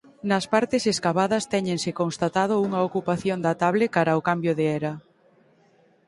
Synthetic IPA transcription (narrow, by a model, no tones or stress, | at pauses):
nɐspaɾt̪eseskaβaðɐst̪ɛɲẽnsɪkonst̪at̪að̞ʊuŋɐokupaθjond̪at̪aβlekaɾɐʊkambjoðeɛɾɐ